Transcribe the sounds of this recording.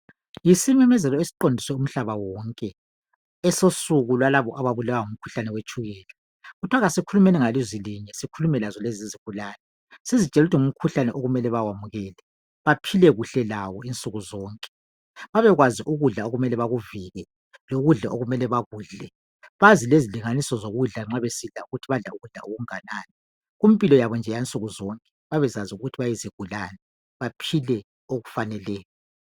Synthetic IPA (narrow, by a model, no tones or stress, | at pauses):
jisimɛmɛzɛlɔesi̥ǃondʱiswɛum̩ɬaβawɔːŋkʼɛ | ɛsosuɣulwalaβɔʔaβaβulawaŋum̩kʰu̥ɬanɛwet͡ʃʼuɣɛːlɛ | ɣutʰwaɣasikʰulumɛlɛŋaliziliɲɛsikʰulumɛlazɔleziziɣ̥ulaːlɛ | sizit͡ʃʼɛlutʰiŋum̩kʰuɬanɛʔoɣumɛlɛβawamuɣɛːlɛ | βapʰilɛɣuɬɛlawɔint͡sʼuɣuzɔːŋkʼɛ̥ | βaβɛɣwaziʔuɣuɮaoɣumɛlɛβaɣuviɣɛ | loɣuɮa̰ʔoɣumɛlɛβaɣuːɮɛ | βazileziliŋanisɔzoɣuɮaŋ͡ǁaβesiɮauɣutʰiβaɮauɣuɮa̰ʔoɣuŋanaːnɛ | ɣum̩ipʼilɔjaβɔnd͡ʒʱɛjant͡sʼuɣuzɔŋkʼɛ̥βaβɛzaziuɣutʰiβajiziɡ̥ʱulaːnɛ | βapʰilɛ | oɣufanɛlɛːjɔ